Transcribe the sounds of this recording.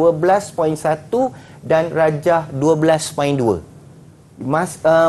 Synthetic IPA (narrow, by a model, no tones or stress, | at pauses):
uəbəlaspɔinsat̪u | danrad͡ʒahduəblaspɔinduə̰ | masə